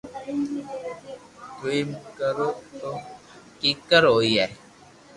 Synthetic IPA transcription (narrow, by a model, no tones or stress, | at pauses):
tuimkəɾot̪o | kikəɾojɛ